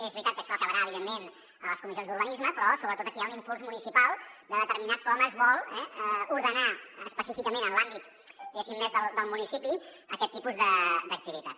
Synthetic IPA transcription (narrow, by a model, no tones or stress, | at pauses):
ezβɾit̪at̪̚kəʃɔəkəβəɾaəβiðemːen | ələskumizionzd̪uɾβənizməpɾɔsoβɾət̪ot̪əkiãimkulˠzmunisipalˠd̪əðət̪əɾminaskɔməzβɔlˠɛuɾðənaəspəsifikəmenənlambit̪ | iəʃimmezðəlˠd̪əlˠmunisipi | əkɛt̪ːipuzðəd̪ək̚t̪iβit̪at̪